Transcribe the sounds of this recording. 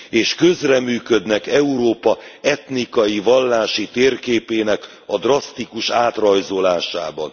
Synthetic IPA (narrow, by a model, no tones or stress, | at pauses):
eːʃkøzrɛmyːkød̪nɛkɛuɾoːpɒɛt̪nikɒjivɒlːaːʃit̪eːrkeːpeːnɛk | ɒd̪rɒst̪ikuʃaːt̪rɒjzo̞laːʃa̰ːbɒ̰n